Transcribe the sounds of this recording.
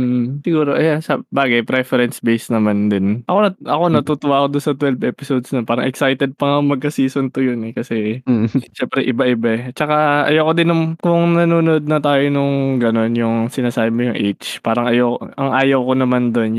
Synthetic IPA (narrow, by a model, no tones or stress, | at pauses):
m̩ːʔ̩sɪɡuːɾo̞ʔɐjansɐbaːɡɐjpɾɛfɛɾɛnsbejsnɐmand̪ɪnʔɐko̞nɐʔɐko̞nɐt̪uːt̪ʊwaːɐkod̪ʊnsɐt̪wɛlbʔɛːpɪsod̪snɐnpaːɾɐŋʔɛksajt̪ɛd̪̚pɐŋɐkoŋmɐɡ̚kɐsiːsont̪ʊjʊnɛkɐsɛ | ʃɛmpɾɛʔɪbaʔɪbaɛt͡ʃɐkaʔɐ̰jɐwkod̪ɪnʊŋkʊŋnɐnuːno̞d̪̚nɐt̪aːjonʊŋɡɐno̞njʊŋsɪnaːsaːbɪmojʊŋʔḛjt͡ʃpaːɾɐŋɐjɐwʔɐŋʔaːjɐwkonɐmand̪o̞n